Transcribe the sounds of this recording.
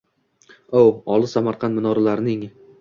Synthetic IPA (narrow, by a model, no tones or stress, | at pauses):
owɒlˠɪsamaɾqʰɑnt̪mɪnɒɾalaɾɪnɪŋ